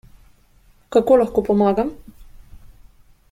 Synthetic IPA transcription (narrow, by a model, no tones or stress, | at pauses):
kakoːlaxkoːpɔmaːɡam